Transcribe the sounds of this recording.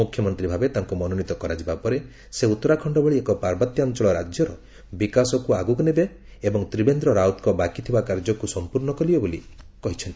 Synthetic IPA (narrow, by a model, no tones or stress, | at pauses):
ukʰjɔmɔnt̪ɾibʱabet̪aŋkumɔnonit̪ɔkɔɾad͡ʒibapɔɾe | seut̪ːɔɾakʰɔɳɖɔbɔɭiekɔpaɾbɔt̪jɔnt͡ʃɔɭɔɾad͡ʒjɔɾɔ | bikasɔkuaɡuknebe | ebɔŋt̪ɾibend̪ɾɔɾaut̪kɔbakit̪ʰibakaɾd͡ʒɔkusɔmpuɾɳɔkɔlibɔbolikɔɦit͡ʃʰɔnt̪i̥